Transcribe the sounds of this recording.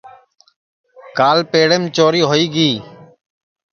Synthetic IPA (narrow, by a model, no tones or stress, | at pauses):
kaːlpeːɽeːmt͡ʃoːɾiːɦoːiːɡiː